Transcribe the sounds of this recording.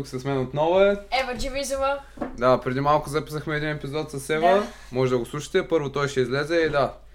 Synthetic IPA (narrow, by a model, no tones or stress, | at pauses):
uksɐsmɛnot̪nɔvʊɛɛvəd͡ʒivizʊvəd̪apɾɛd̪imalˠkʊzɐpi̥səxmɛːd̪inɛpizɔt̪sɐsɛvə | mɔʒɛd̪ɐɡoslˠuʃə̥t̪ɛpɤɾvot̪ɔjʃɛizlɛzɛid̪a